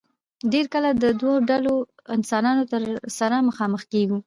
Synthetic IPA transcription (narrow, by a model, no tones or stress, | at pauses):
ɖeɾkəlad̪əd̪waɖalo | ɪnsɑnɑnot̪əɾsaɾaməxɑməxkeɡu